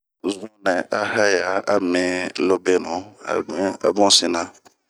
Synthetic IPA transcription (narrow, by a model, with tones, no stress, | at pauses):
zũ˦nɛ˨ʔa˦ha˦ja˨a˦mɛ̃˨lo˦be˦nũ˨a̰˨˦a̰˨bɔ̃˦si˦˨nã˨